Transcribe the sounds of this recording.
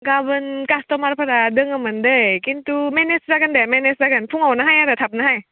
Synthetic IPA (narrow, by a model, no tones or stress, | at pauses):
ɡabɯnkast̪ɔmaɾpʰaɾadɯŋamɯndɯjkint̪umɛneszakandɛmɛneszakanpʰuŋawnaɦajaɾat̪ʰap̚naɦaj